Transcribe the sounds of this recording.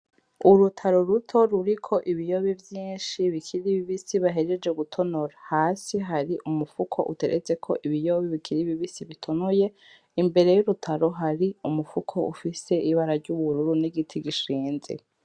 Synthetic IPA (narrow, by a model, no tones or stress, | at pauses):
uɾutʰaɾoɾutʰo̞ɾuɾikʰo̞ʔiβijo̞βivjiːnʃiβikʰiɾiβiβisiβaɦe̞ɾed͡ʒe̞ɡutʰo̞no̞ɾahaːsiɦaɾiʔumufukʰo̞̰ʔṵte̞ɾʔet͡se̞kʰo̞̰ʔiβijo̞βiβikʰiɾiβiβisiβitʰo̞noje̞ | imbe̞ɾe̞juɾutʰaɾo̞ɦaɾiumufukʰo̞ṵfise̞ʔiβaɾaɾɟuβuɾuɾuniɡitʰiɡiʃiːnzḛ